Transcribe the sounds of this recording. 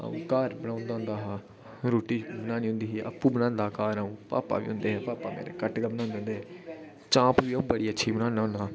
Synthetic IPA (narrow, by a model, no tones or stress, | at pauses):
ã̰kaːɾbəɽãːʊnd̪aːʊ̃nd̪aːɦaː | ɾoːʈiːbənaːniːʊ̃nd̪iːɦeə̰pːuːbənãːnd̪aːkaːɾaũːpa̰ːpa̰ːʋḭʊ̰̃nd̪eːɦɛːpaːpaːmḛːɾḛkəʈɡaːbnãːʊnd̪eõːnd̪eːɦɛː | t͡ʃãːpʋiːəũːbəɽiːətːʃʰiːbənaːnãːna